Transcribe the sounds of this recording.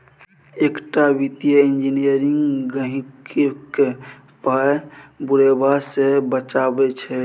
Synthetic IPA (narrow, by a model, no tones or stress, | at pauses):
ekʈabit̪jəĩnd͡ʒinijəɾiŋɡɡəɦĩkeke | pabuɾebasebət͡ʃabɛt͡ʃʰɛ